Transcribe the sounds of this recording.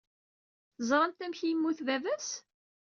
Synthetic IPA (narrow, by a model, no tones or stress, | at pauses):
θzˤɾˤənt̪æmçjəmːuθðævæs